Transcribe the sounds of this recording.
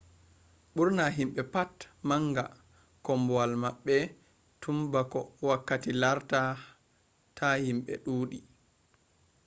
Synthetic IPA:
ɓuɾnaɦimɓɛpatmaŋɡa | kɔmbɔalmaɓːɛ | tʰumbakɔwakːatilaɾta | tʰahimɓɛ̰ɗuːɗi

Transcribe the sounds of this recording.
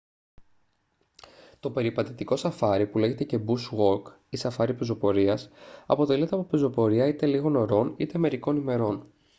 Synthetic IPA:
t̪o̞pe̞ɾipɐt̪et̪iko̞sɐfɐɾipule̞ʝe̞t̪e̞ce̞busɣo̞k | isɐfɐɾipezo̞po̞ɾiɐsɐ̰po̞t̪e̞liet̪eɐpopezo̞po̞ɾiɐit̪e̞liɣo̞no̞ɾo̞nḭt̪eme̞ɾiko̞nime̞ɾo̞n

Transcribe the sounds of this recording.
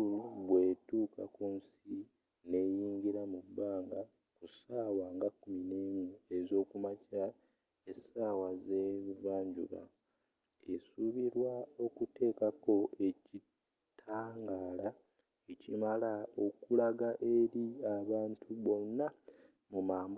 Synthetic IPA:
luβwe̞ːtuːkʰakuns | i | ne̞jiːɲɟiɾamubːaːŋɡa | kusaːwaːŋɡakːumine̞ːmue̞zo̞ːkumaca | esaːwazevaːɲɟṵɾa̰ | esuβiɾwao̞kute̞ːkako̞e̞ci | tʰaːŋɡaːla | ecimalao̞kulaɡaʔe̞ɾiaβaːntʰuβo̞nːa | mumaːmb

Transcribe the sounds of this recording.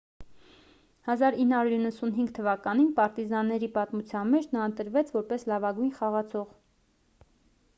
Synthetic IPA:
hɑzɑɾinːhɑɾuɾinːəsunɦiŋɡt̪ʰəvɑkɑninpɑɾt̪izɑnːɛɾipɑt̪mut͡sʰjɑnmɛt͡ʃʰnɑənt̪əɾvɛt͡sʰvɔɾpɛslɑvɑɡujnχɑʁɑt͡sʰɔʁ

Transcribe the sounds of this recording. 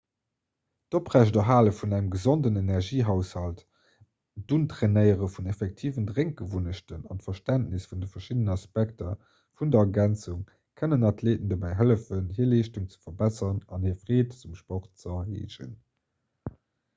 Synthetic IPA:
d̥opʁæʃdəɦaːləfunæŋəmɡəzondənenæʁʒiːɦaʊshɑlt | d̥untʁenəɪəʁəfunefɛk̚tʰiːvəndʁeŋk̚ɡ̥əvunəɕtənɑ̰ntfɐʃtæntnisfundəfɐʃidənɑspæk̚tɐ | fundɐɐɡænt͡suŋ | kʰənənɑtʰleːtəndobæɪɦələfənhiːɐleːʃtuŋt͡sə̥fɐbæsɐʁənɑnhiːɐfʁeːtt͡sumʃpɔχt̚t͡səɐhḛːʒə̰n

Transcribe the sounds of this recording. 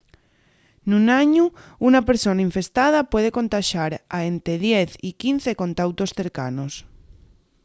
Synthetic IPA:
nunaɲuunapeɾsonaiɱfe̞st̪að̞apwe̞ð̞e̞ko̞nt̪aʃaɾaent̪ɾeðjeθikin̟θeko̞nt̪awt̪osθe̞ɾkanos

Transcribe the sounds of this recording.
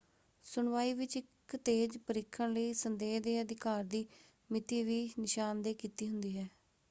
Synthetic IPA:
sʊɳʋaːiːʋɪt͡ʃɪk | t̪eːd͡ʒpəɾɪkʰːəɳləiːsənd̪eːɦd̪eːəd̪ɪkaːɾd̪iː | mɪt̪iːʋiːnɪʃaːnd̪eːkiːt̪iːɦʊnd̪iːɦɛː

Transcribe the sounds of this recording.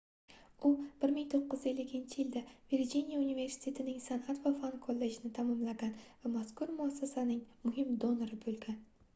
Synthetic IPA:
ʊb̥ɪɾmɪŋt̪ʰoqːɨze̞lːɪkʲʰɪnt͡ʃʰɪjɪld̪aviɾd͡ʒinijaunive̞ɾsɪ̥t̪ʰe̞t̪ʰɪnɪŋsanʔat̪vafankʰolˠːed͡ʒɪnɪt̪ʰamɒmlaɡʲanvamaskʰʊɾmʊasːasanɪŋmʊɦɪmd̪onoɾɪbɵlˠɡʲan

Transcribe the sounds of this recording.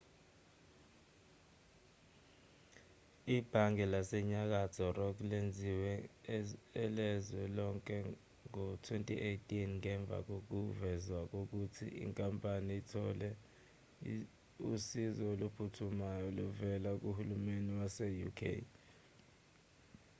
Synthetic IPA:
ib̥ʱaŋɛlasɛɲak̬az̥ʰʱɔrɔk̬lend͡zʱiwɛ | ɛlɛzwɛlɔŋkʼɛ | ŋɔtʰwentʼiʔejtʼinŋɛɱb̪vʱa̰k̬ok̬uvɛzwak̬ok̬utʰḭḭŋkʼampʼaniitʰɔ̰lɛ | usizɔolupʰutʰumajɔluvɛlak̬uhulumeniwasɛjṵkʰḛj

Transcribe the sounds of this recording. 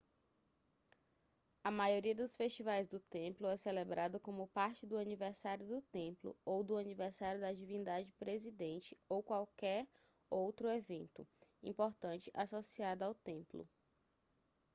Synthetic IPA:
ɐmajoɾiɐd̪ʊsfest͡ʃivajzd̪ʊt̪ẽplʊɛselebɾʔad̪ʊkõmʊpaɾt͡ʃɪd̪ʊanivɛɾsaɾjʊd̪ʊt̪ẽplʊ̰owd̪ʊanivɛɾsaɾjʊd̪ɐd͡ʒivĩnd̪ad͡ʒɪpɾezid̪ẽnt͡ʃɪowkwawkɛɾ | owt̪ɾʊevẽnt̪ʊ̰ḭ̃poɾt̪ɐ̃nt͡ʃɪʔasosiad̪ɐawt̪ẽmplʊ̰

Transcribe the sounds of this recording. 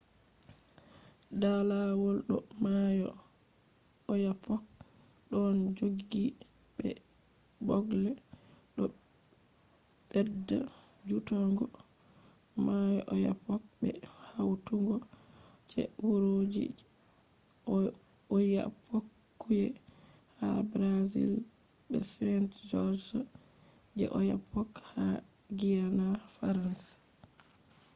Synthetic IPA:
dalawɔlɗɔmajɔ | japɔk̚ɗɔnd͡ʒoɡibɛ̰ | bɔɡlɛɗɔ | bɛdːa̰d͡ʒutɔŋɡɔ | majɔʔɔja̰pɔk̚bɛ̰hawtuŋɡɔd͡ʒɛ̰wuɾod͡ʒḭ | ɔja̰pʰːokːujɛhabɾazḭlbɛ̰sɛntd͡ʒɔsɔ | d͡ʒɛ̰ʔɔjapːɔkhaɡijanafaɾansḁ

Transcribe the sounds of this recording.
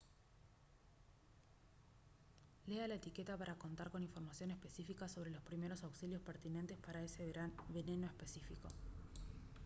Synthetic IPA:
lealaet̪ike̞t̪apaɾako̞nt̪aɾko̞niɱfo̞ɾmasjo̞ne̞spe̞sifikaso̞β̞ɾe̞lo̞spɾime̞ɾo̞sawksiljo̞speɾt̪ine̞nt̪e̞spaɾaeseβe̞ne̞no̞espe̞sifiko̞̰

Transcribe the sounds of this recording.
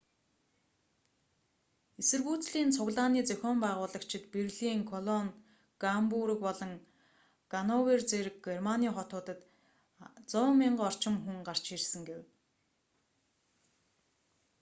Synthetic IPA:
esɘ̆rɣuːt͡sɮiːnt͡sʰʊɣɮaːniːt͡sœxʲɔːmpæːʁʊːɮə̆kt͡ɕʰɪ̆t̪perɮiːŋkʰɔɮɔŋ | ɡ̥ampuɾə̆kpɔɮɞ̆ŋ | ɡ̥anɔwert͡seɾɘ̆k̚ɡermaniːχɔt̪ʊːt̪ə̆t̪ | t͡sʊːmiɴɢɔr̥t͡ɕɪ̆mxuŋɢar̥t͡ɕirsɘ̆ŋɡew

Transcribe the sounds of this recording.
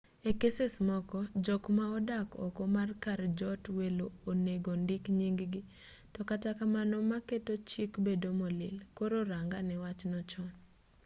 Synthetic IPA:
ekesesmɔkɔd͡ʒɔkmaɔdakɔ̰komarkaɾd͡ʒɔtweloːneɡondɪkɲiŋɡɡi | tɔkatakamanɔmaketot͡ʃikbedomɔlɪlkoɾoɾaŋɡanɛwat͡ʃnɔt͡ʃɔn

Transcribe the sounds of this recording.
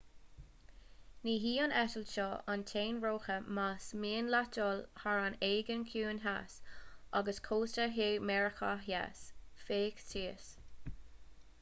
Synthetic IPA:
niːɦiːənʔɛtəlʃɔantʰeːnɹoːxəmasmiːənlatɔlhaɹaneːɡənkʰuːnɦa̰sʔaɡəskʰoːstəɹɦeːmɛɹəkʰaɦja̰sfeːktʰiːəs

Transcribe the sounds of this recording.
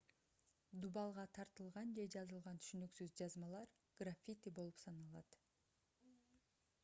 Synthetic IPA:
d̪ubɑlˠʁɑt̪ʰɑɾt̪ɯlˠʁɑnd͡ʒe̞d͡ʒɑzɯlˠʁɑnt̪ʰy̥ʃynyksyzd͡ʒɑzmɑlˠɑɾ | ɡ̥rafʲit̪ʲibo̞lˠupsɑnɑlˠɑt̪

